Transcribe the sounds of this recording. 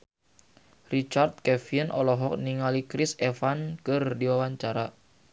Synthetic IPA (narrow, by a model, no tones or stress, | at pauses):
rit͡ʃart̪̚kɛfinʔɔlɔɦɔk̚niŋalikɾɪsɛfankərdiwawaɲt͡ʃaɾa